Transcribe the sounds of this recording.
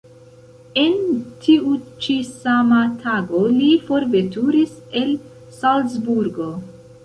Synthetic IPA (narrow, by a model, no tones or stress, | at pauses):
e̞ntʰiut͡ʃisamatʰaɡo̞lifo̞ɾve̞tuɾise̞l | salsbuɾɡo̞